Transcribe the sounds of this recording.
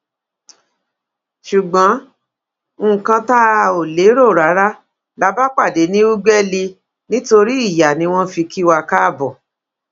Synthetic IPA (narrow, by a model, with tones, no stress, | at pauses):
ʃu˨ɡ͡bã˨˦ | ũ˦˨kã˧ta˦˧˨o˨le˨˦ɾo˦˨ɾa˨˦ɾa˦ | la˧˦ba˦k͡pa˦˨de˨˦nĩ˦u˦ɡ͡bɛ˦li˧ | nĩ˦to˧ɾi˦i˦˨ja˨nĩ˧w̃ɔ̃˦fi˧ki˦wa˧ka˦˨bɔ˨